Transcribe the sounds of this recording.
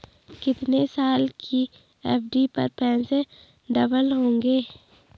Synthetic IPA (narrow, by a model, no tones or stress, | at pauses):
kɪt̪nesaːlkʰi | ɛːpɖipə̰ɾpɛ̃ːnse | ɖəbəlɦõːŋɡeː